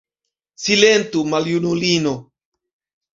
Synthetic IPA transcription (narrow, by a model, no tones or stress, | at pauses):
silent̪umaljunulino